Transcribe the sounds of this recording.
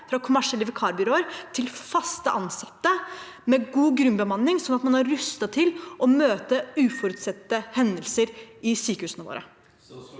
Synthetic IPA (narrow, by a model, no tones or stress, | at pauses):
fɾɑkʰʊmæʂɛləʋɛkʰɑːɾbʏɾoːəɾt̪ʰɪlfɑst̪əʔɑnsɑt̪ːə | meːɡuːɡɾʉnbəmɑnːɪŋsɔnɑt̪mɑnhɑɾɾʉst̪ɑt̪ʰɪlʔɔmøːt̪əʉːfɔɾʉt̪sɛt̪ːəhɛnd̪əlsəɾɪsyːkəhʉːsənəʋo̰ːɾə̰